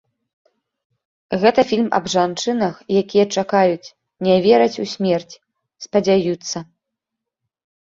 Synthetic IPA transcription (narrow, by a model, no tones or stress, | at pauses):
ɣɛt̪ɐfʲilʲmɐ̰bʐant͡ʂɨnɐxjakʲijɐt͡ʂakajut͡sʲ | nʲɛvʲɛɾɐt͡sʲusʲmʲɛrt͡sʲ | spɐd͡zʲajut̪sːɐ